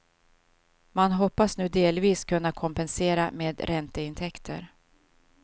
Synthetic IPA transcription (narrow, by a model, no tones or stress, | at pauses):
manɦɔpːasnʉ̟ːd̪eːlviːskʰɵnːakʰɔmpɛnseːɾa̰meːd̪ɾɛnt̪əɪnt̪ʰɛkt̪ʰə̰ɾ